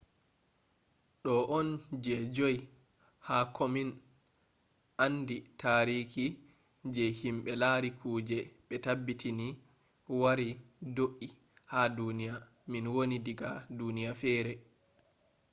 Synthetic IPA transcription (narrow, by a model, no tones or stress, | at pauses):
ɗɔʔɔnd͡ʒɛd͡ʒɔj | haːkʰɔmin | ʔanːditʰaːɾiki | d͡ʒɛhimɓɛlaɾikʰuːd͡ʒɛɓɛtabːitini | waɾidoʔi | hadunija | minwonidiɡadunijafɛːɾɛ